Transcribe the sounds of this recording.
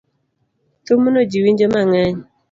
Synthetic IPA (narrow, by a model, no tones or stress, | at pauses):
t̪omonod͡ʒiwiɲd͡ʒomaŋaɲ